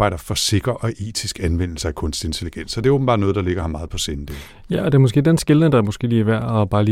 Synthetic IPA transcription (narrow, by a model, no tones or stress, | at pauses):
ɑ̈ɪ̰ɾ̥ɐfɒ̽se̝ɡ̥ɐʔɒ̽ʔe̝̰ːt͡sʰisɡ̥ænʋen̰l̩səækʰɔ̽nsd̥e̝nt͡sʰe̝liɡ̥en̰sɒd̥e̝æob̥m̩bɑ̈d̥nɔ̽ːð̞̩ˠdɑ̈le̝ɡ̥ɐhɑ̈mɑ̈ːð̩ˠpʰɒ̽send̥e | jæʔɒd̥e̝ɐmɔ̽s̬ɡe̝̰ːd̥ensɡ̥elənəd̥ɑ̈æɐmɔ̽sɡ̥e̝̰ːliːʋæɐ̰ɒb̥ɑ̈ːliː